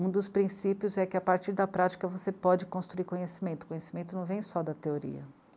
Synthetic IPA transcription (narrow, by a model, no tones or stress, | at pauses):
ũd̪ʊspɾĩsipjʊzɛkɪapaɾt͡ʃiɾd̪ɐpɾat͡ʃi̥kɐvosepɔd͡ʒɪkõst̪ɾuiɾkõɲesimẽt̪ʊ̥kõɲesi̥mẽnt̪ʊnɐ̃w̃vẽj̃sɔd̪ɐt̪eoɾḭɐ̰